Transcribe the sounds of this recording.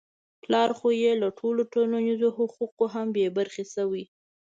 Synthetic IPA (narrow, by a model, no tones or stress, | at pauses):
plɑɾxojelaʈʰoloʈolanizohʊquqoɦambebaɾxesawi